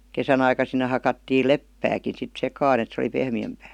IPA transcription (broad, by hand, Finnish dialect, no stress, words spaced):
kesæn ɑikɑ sinːe hɑkɑtːiːl lepːæːkin̞ sit sekɑːn et se oli pehmiæmpæː